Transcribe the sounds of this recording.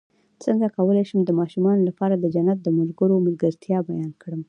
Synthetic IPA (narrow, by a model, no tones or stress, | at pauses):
t͡səŋɡakawəlajʃəmd̪əmɑʃumɑnolapɑɾad̪əd͡ʒanːat̪̚d̪əmalɡəɾomalɡəɾt̪jɑbajɑnkɽəm